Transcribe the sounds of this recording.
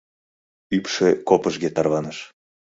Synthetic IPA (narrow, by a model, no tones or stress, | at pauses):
ypʃekopəʒɣet̪ɑrβɑnəʃ